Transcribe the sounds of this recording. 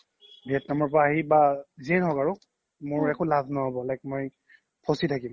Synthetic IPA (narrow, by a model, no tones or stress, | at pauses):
bʱiɛtnamɔɹpaːɦibaziɛnɦɔkaɹʊ | mʊɹɛkulabʱnɔɔbɔlajk̚moj | pʰositʰakim